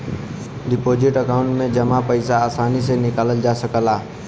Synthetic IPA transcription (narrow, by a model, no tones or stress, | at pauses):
ɖɪpoːd͡ʒɪʈəkaʊ̃ɳʈmẽd͡ʒəmapəɪsaaːsaːnis̬enɪkaːləld͡ʒaːsəkəlaː